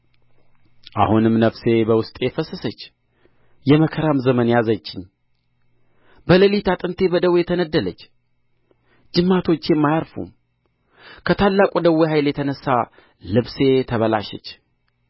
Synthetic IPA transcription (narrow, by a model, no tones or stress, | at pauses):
ʔa̰hunɨmnəfse̞bəwʊst̪ʼjɛfəsːəsət͡ʃː | jɛməkʰəɾamzəmənjazət͡ʃːɪɲ | bələlit̪ʰat̪ʼɨnt̪ʰe̞bəd̪əwjɛt̪ʰənəd̪ːələ̰t͡ʃː | d͡ʒɨmːat̪ʰo̞t͡ʃːjɛmːajaɾfṵm | kʰət̪ʰalːakʼud̪əwːeɦajljɛt̪ʰənəsːa | lɨβse̞t̪ʰəβəla̰ʃɛ̰t͡ʃː